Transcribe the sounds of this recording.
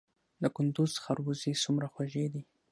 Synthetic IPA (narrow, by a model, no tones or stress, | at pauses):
d̪əkʊnd̪ʊzxaɾwuzisumɾaxwaʒed̪i